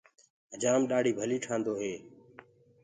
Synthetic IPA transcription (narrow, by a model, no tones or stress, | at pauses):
d͡ʒaːmɗaːɽʱiːbʱəliːʈʰãːnd̪oːɦeː